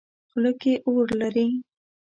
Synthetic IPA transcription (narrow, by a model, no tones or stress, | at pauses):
xləkeʔoɽlaɾi